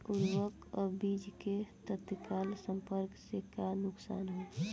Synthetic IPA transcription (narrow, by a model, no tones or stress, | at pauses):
uɾwəkɔbid͡ʒket̪ət̪kalsə̃mpəɾksekanʊksa̰ːnɦo